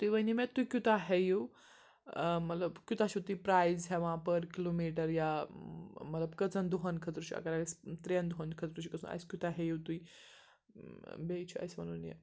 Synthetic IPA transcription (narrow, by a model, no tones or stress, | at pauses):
t̪uiʋəjnimɛt̪ːuikʲut̪aɦɛjuw | mət̪ləbkʲut̪aɕit̪uipɾajzɦɛʋãpəɾkilomiʈəɾja | mət̪ləbkət͡sənd̪uɦənkʰət̪ɾuɕia̰kaɾast̪ɾənd̪uɦənkʰət̪ɾuɕikəsṵ̃na̰jskʲut̪aɦɛjiwt̪ui | bejt͡ɕʰua̰jsmañunjḛ